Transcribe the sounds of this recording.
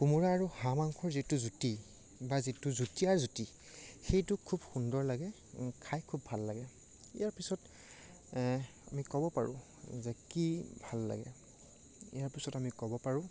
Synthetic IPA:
kumuɹaːɹuhamaŋkʰɔɹzitʊzuti | bazitʊzutiaɹzuti | xejtʊkʰubxundɔɹlaɡɛ | kʰajkʰubːʱalːaɡɛ | ḭjaɹpisɔt | amikɔbɔpaɹʊ̰̃ | zɛkibʱalːa̰ɡɛ̰ | ḭjaɹpisɔtamikɔbɔpaɹʊ̃

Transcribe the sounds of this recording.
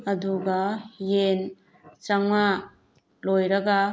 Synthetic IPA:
ad̪uɡajen | t͡ʃaŋa | lojɾaɡa

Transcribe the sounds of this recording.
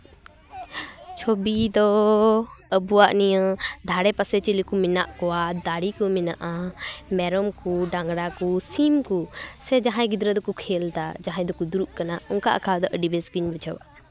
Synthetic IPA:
t͡ʃʰobid̪ɔ | əbuwaʔnijəd̪ʱaɽɛpasɛt͡ʃilikumina̰ʔkɔwad̪aɽikuminaʔamɛɾɔmkuɖaŋɡɽakusimkusɛd͡ʒaɦãj̃ɡid̪ɾəd̪ɔkukʰɛlt̪a̰d͡ʒaɦãj̃d̪ɔkud̪uɾuʔkanaɔŋkaʔakʰad̪ɔʔəɖibɛsɡiɲbɔt͡ʃʰawa

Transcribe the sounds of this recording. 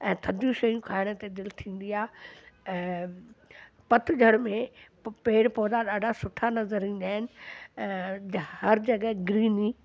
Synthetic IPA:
ɛ̃ːt̪ʰɐd̪ʱjũʃɐjũkʰaːɪɽ̃̆t̪ed̪ɪlt̪ʰĩːn̆d̪iaːɛ̃ː | pɐt̪ʰʊ̆d͡ʑʱɐɽ̃mẽ | peːɽpɔːd̪aɗaːɖʱasʊʈʰanɐzəɾĩːn̆d̪aːɦɪnɪ̆ | hɐɾd͡ʑɐɡəɡɾiːni

